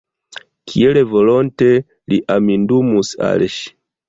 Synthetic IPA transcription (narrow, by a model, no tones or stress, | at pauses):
kʰielevolonte̞ | liʔamindumusa̰lʃi̥